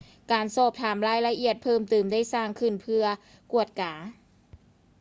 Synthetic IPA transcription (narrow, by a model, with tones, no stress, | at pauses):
kaː˨nsoː˧˩p̚t̪ʰaː˨˩mɾaː˧˥˩jla˧ʔi˨˩ət̪̚pʰɤː˥˩mt̪ɯː˨˩mdaː˥˩jsaː˥˩ŋkʰɯ˧˥˩npʰɯ˧ɐ | ku˨˩ət̪̚kaː˩˦